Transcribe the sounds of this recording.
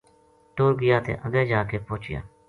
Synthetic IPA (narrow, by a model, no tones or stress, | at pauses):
ʈoːɾɡɪjaːt̪ʰḛːʔəɡeːd͡ʒaːkeːpoːt͡ʃɪja̰ː